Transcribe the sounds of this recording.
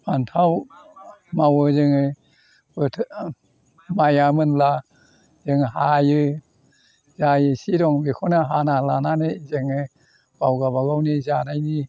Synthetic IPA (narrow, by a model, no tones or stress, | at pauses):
antʰaw | mawɯzɯŋɯ | bɯtʰ | majamɯnla | zɯŋɦajɯ | zajɯsiɾɔŋbikʰɔnaɦanalananezɯŋɯ | bawɡaβaɡawnizanajni